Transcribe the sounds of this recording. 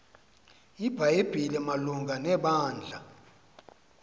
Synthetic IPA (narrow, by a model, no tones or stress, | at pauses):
ib̥ʱajeb̥ʱilɛmaluŋɡʱanɛɓaːnd͡ɮʱa